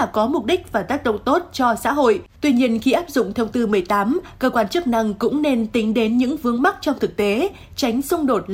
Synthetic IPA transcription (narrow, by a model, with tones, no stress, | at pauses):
kɔ˨˦mʊ˨˩k͡p̚ɗï˦˥k̟̚vaː˨˩t̪aː˦˥k̚ɗə̰˧˨ŋ͡mt̪o˦˥t̚t͡ɕɔ˧sa̰ː˧˥ɦo̰˧˨jt̪wi˧ɲi˧ənxi˧ʔaː˦˥p̚zʊ̰˧˨ŋ͡mt̪ʰe˧wt̪ɨ˧mɨ˨˩əjt̪aː˨˦mkəː˧kwaː˧nt͡ɕɨ˦˥ək̚na˧ŋkʊ̰˧˥ŋ͡mne˧nt̪ï˨˦ŋ̟ɗe˨˦nɲɨ̰˧˥ŋvɨ˨˧əŋma˦˥k̚t͡ɕɔ˧wŋ͡mt̪ʰɨ˨˩k̚t̪e˨˦ | t͡ɕa˨˦jŋ̟sʊ˧ŋ͡mɗo˨˩t̚